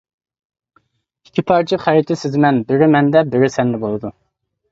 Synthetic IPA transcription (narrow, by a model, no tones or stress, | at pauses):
i̥kʲʰipʰɑɾt͡ʃʰiχæɾit̪ʰɪsɪzmɛnbɪɾɪmɛnd̪ɛbɪɾɪsɛnd̪ɛbolˠɨd̪u